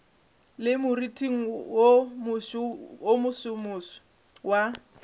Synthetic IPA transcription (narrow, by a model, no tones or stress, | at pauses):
lɪmʊritʼʰiŋ̩womʊʃomʊsʊmʊsɔ̥ | wa